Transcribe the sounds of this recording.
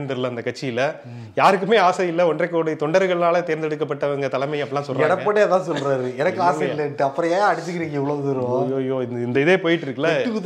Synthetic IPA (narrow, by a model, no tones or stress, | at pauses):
nd̪ɐɾɯlːɐɪnd̪ɐkɐʈt͡ʃːɪjɪlɐ | jaːɾɯkːɯmeːaːsɐjɪlːɐɔndrɐkːoːɽɐt̪ɔɳɖɐɾɯɣɐɭɪnaːlɐt̪eːɾnd̪ɛɽɯkːɐpːɐʈːɐʋɐŋɡɐt̪ɐlɐmɐɪɐpːɐlːãːsɔlɾɛɽɐpːɐɽet̪ãːsɔlɾaːɾɯɛnɐkːɯaːsɐjɪlːɐʈːɯɐpːɯɾɐ̃aːaɐɽɪt̪ːɯkːɪɾiːŋɡɐɪʋɐɭɐɯt̪ɪɾõːjoːjoːɪnd̪ɐɪðeːpoːjɪʈːɪɾɯkːɯlɐɯ